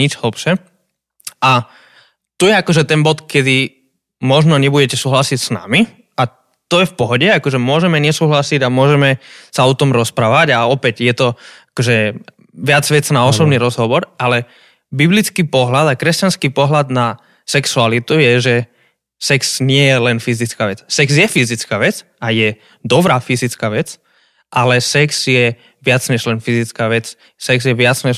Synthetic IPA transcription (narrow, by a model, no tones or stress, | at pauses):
id͡ʒɦl̩pʃɛ | ʔa | t̪ujɛakɔʒɛt̪ɛnbɔt̪kɛd̪i | mɔʒnɔɲɛbuɟɛcɛsuːɦlasicsna̰mi | a | t̪ɔjɛfpɔɦɔɟɛakɔʒɛmʊɔʒɛmɛɲɛsuːɦlasiɟamʊɔʒɛmɛsaɔt̪ɔmɾɔspɾaːʋaɟaɔpɛɟjɛt̪ɔakɔʒɛ | ʋɪad͡zʋɛt͡snaɔsɔbniɾɔzɦɔʋɔɾalɛ | biblit͡skiːpɔɦlad̪akɾɛscanskiːpɔɦlad̪na | sɛksualit̪ujɛʒɛ | sɛksɲɪɛjɛlɛnfizit͡skaːʋɛt͡ssɛɡzjɛfizit͡skaːʋɛt͡s | ajɛ | d̪ɔbɾaːfizit͡skaːʋɛt͡s | ʔalɛsɛkz̥jɛ | ʋɪat͡sɲɛʒlɛnfizit͡skaːʋɛt͡s | sɛɡzjɛʋɪat͡sɲɛʒ